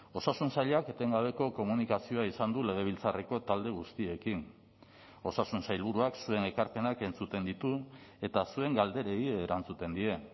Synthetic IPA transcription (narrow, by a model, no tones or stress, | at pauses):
o̞sasunsaʎeake̞t̪e̞ŋɡaβ̞e̞ko̞ko̞munikasio̞aisand̪ule̞ɣ̞e̞β̞ilt͡sareko̞t̪ald̪e̞ɣ̞ust̪ie̞kin | o̞sasunsajlβuɾuaksue̞ne̞kaɾpe̞nake̞nt͡sut̪e̞nd̪it̪ue̞t̪asue̞ŋɡald̪e̞ɾe̞ieɾant͡sut̪e̞nd̪ie̞